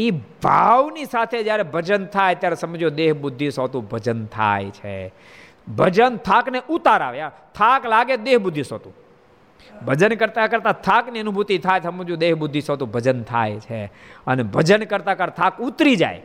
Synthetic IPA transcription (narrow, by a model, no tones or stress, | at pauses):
ibʱaʋnisat̪ʰed͡ʒjaɾebʱəd͡ʒənt̪ʰajt̪jaɾesəməd͡ʒjõd̪eɦbʊd̪ʱːisot̪ũbʱəd͡ʒənt̪ʰa̰jt͡ʃʰḛ | bʱəd͡ʒənt̪ʰakneʔut̪aɾa̰ʋja | t̪ʰaklaɡed̪eɦbʊd̪ʱːiso̰t̪ũ | bʱəd͡ʒənkəɾt̪akəɾt̪ãt̪ʰakniənubʱut̪it̪ʰajsəməd͡ʒõd̪eɦbʊd̪ʱːisot̪ũbʱəd͡ʒənt̪ʰa̰jt͡ʃʰeənebʱəd͡ʒənkəɾt̪akəɾt̪ʰakut̪ɾid͡ʒa̰j